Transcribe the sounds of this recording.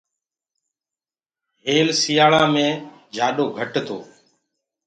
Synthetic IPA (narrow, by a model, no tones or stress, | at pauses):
ɦeːlsijaːɭãːmẽː | d͡ʒʱaːɗoːɡʱəʈt̪ʰo̰ː